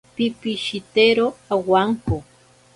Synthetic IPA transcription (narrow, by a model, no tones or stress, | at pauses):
pipiʃit̪eɾoawaŋko